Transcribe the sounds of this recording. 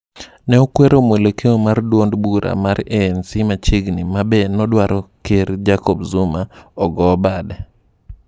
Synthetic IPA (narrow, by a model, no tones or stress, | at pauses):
nɛokweɾomwelekʰeomardwondbuɾa̰maɾɛːnsimat͡ʃiɡnimabɛnɔdwaɾɔkeɾd͡ʒakɔbzumaɔɡɔbadɛ